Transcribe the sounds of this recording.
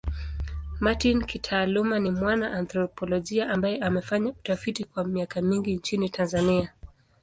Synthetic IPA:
matinkitʰaːlumanimwanaʔanθɾɔpɔlɔʄiaʔambajɛʔamɛfaɲautafitikwamiakamiŋɡint͡ʃinitʰanzania

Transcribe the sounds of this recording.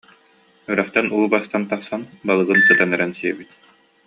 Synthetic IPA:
yɾɛχt̪ɛnuːbast̪ant̪aχsanbalˠɯɡɯnsɯt̪anɛɾansijɛbit̪

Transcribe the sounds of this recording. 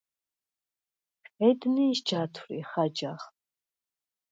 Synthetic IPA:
ɛjd̪niʃd͡ʒat̪ʰwɾḭχad͡ʒaχ

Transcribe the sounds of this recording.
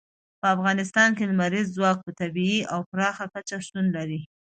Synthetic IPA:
pəafɣɑnɪs̬t̪ɑnked̪əmaɾizːwɑk̚pət̪abiiʔawpɾɑxakat͡ʃaʃt̪unlaɾi

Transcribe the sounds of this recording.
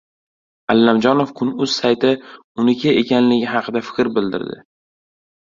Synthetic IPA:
alːamd͡ʒɒnofkʰʊnʊz̥sajt̪ʰɪ | ʊnɪkʲʰae̞kʲanlɪɡʲɪɦɑqʰɨd̪afɪ̥kʲɾbɪld̪ɪ̰ɾd̪ɪ̰

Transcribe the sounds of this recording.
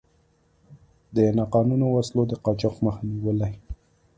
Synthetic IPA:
d̪ənɑqɑnunowaslod̪əqɑt͡ʃɑqməxaniwəlaj

